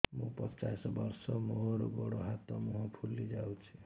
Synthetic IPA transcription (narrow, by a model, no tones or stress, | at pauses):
mupʌt͡ʃasbʌɾsɔmoɾoɡoɽoɦat̪ɔmuɦɔ̃pʰulːid͡ʒawt͡ʃʰi